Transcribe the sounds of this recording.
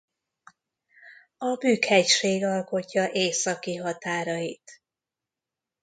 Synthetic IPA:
ɒbyːkhɛcʃeːɡɒlko̞cːɒʔeːsɒkiɦɒt̪aːɾɒjit̪

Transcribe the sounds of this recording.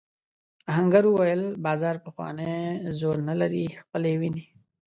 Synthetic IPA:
ɐɦɐ̃ŋɡɐɾuwɐjəlbaːzaːɾpɐxwa̰ːnezoːɾnɐlɐɾixpəlewini

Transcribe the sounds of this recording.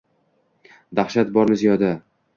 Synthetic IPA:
d̪aχʃat̪̚bɒɾmɪzjɒd̪a

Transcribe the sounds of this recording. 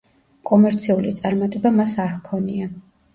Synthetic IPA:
kʼɔmɛɾt̪sʰiulit̪sʼaɾmat̪ʼɛbamasaɾkʰɔnia

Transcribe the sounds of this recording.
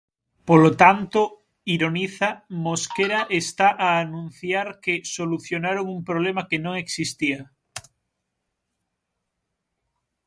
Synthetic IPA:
polot̪ant̪o | iɾoniθamoskeɾaʔest̪aʔaːnũn̟θjaɾkesoluθjonaɾoŋumpɾoβ̞lemakenõŋeksist̪ia

